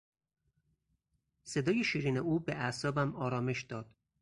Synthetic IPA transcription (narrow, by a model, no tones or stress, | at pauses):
se̞d̪ɒːjeʃiːɾiːneuːbeʔæsɒːbæmɒːɾɒːme̞ʃd̪̥ɒːd̪̥